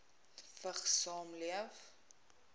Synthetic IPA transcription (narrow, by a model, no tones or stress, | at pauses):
fəχsɑːmliəf